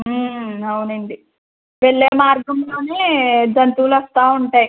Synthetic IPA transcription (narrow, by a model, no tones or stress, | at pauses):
ɐwunɐɳɖi | ʋeɭːeːmaːɾɡɐmlo̞ːne̞ːd͡ʒɐnt̪uːlɐst̪aːuɳʈaːji